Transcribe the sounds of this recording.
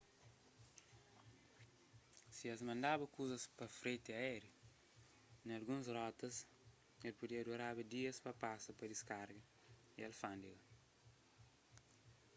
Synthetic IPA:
siɛzmɐ̃nd̪abɐkuzɐspɐfɾet̪ɪaɛɾjo | nɐlɡũnsrɔt̪ɐs | ɛlpud̪iɐd̪uɾabɐd̪iɐspɐpasɐpɐd̪iskaɾɡɐ | iɛlfãnd̪iɡɐ

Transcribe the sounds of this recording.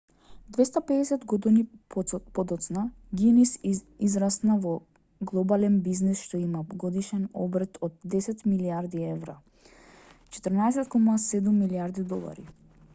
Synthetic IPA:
d̪vɛst̪apɛdɛsɛt̪ɡɔd̪inipɔd̪ɔt̪sna | ɡinisizɾasnavɔ | ɡlˠɔbalɛnbiznisʃt̪ɔimaɡɔd̪iʃɛnɔ̰bɾt̪ʰɔd̪ːɛsɛt̪miliaɾd̪iɛvɾa | t͡ʃɛ̥t̪əɾnaɛs̬ɛt̪kɔmasɛd̪umːiliaɾd̪id̪ɔlˠa̰ɾḭ

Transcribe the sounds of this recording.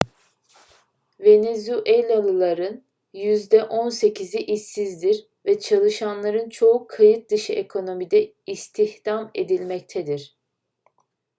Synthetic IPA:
ve̞nezuʔelʲalˠɯlˠaɾɯn | jyzd̪ɛʔo̞nse̞cʰiziʔisːizd̪iɾ | vɛt͡ʃʰalˠɯʃanlˠaɾɯnt͡ʃʰo̞ukʰːajɯt̪̚d̪ɯʃɯʔekʰo̞no̞mid̪ɛ | ist̪ʰihd̪̥ame̞d̪ilʲmɛc̚t̪ʰɛd̪iɾ̥

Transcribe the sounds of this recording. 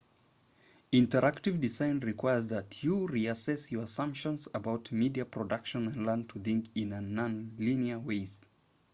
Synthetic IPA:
ɪ̃ntə˞ʔaktɨvdɨzãɪ̃nɹikʰw̥aɪəzðətʰəɹiɨsɛsjə˞əsʌ̃mpʃə̃nzəbaʊtmidiɨpʰɹ̥ɔdʌkʃɨ̃nɨ̃nlɜ̃˞ntʰəθɪ̃ŋkɪ̃nɨ̃nːə̃nliniəweɪz

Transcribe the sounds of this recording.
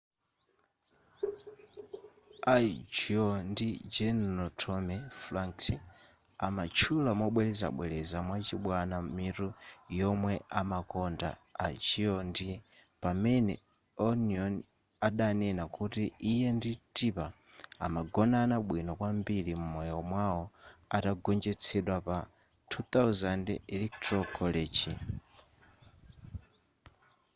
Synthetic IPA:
ad͡ʒiɔndid͡ʒɛnnɔtʰɔmɛflaŋksɛ | amat͡ʃʰulamwɔɓwɛlɛza̰ɓwɛlɛzamwat͡ʃiɓwanamiɾujɔmwɛamakɔnda̰ːt͡ʃiɔndi | pamɛnɛ̰ | ɔniɔn | aɗanɛnakutiijɛnditipa | a̰maɡɔnanaɓwinɔkwambilimumɔjɔmwawɔa̰taɡɔnd͡ʒɛt͡sʰɛɗwapa | tʰut̪awzandɛlɛktɾɔkʰɔlid͡ʒi

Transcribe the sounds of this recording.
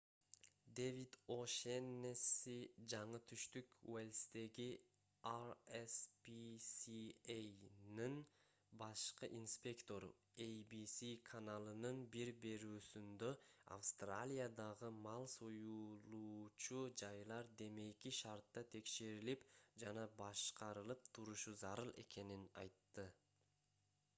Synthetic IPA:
d̪evid̪oʃenːesid͡ʒɑɴɯt̪ʰyʃt̪ykwelʲst̪e̞ɡi | arespisiejnin | bɑʃqɯʔinspʲe̞kt̪o̞ɾ̰ejbisikʰanalˠɯnɯnbiɾbe̞ɾyːsynd̪øa̰fst̪ralʲijad̪ɑʁɯmɑlˠsojulˠuːt͡ʃud͡ʒɑjlˠɑɾd̪e̞me̞jkiʃɑɾt̪ːɑt̪ʰe̞kʃe̞ɾilipd͡ʒɑnɑbɑʃqɑɾɯlˠɯp̚t̪ʰuɾuʃuzɑɾɯlˠe̞̰ke̞ninɑ̰jt̪ːɯ

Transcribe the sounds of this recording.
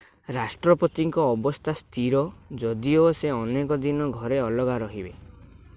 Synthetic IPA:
ɾasʈɾɔpɔt̪iŋkɔːbɔst̪ʰast̪ʰiɾɔd͡ʒɔd̪ioseɔnekɔd̪inɔɡʱɔɾeɔlɔɡaɾɔɦibe

